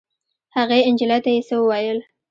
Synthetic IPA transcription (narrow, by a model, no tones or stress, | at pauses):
haɣeɪnd͡ʒɪlat̪ajesəwəwɑjəl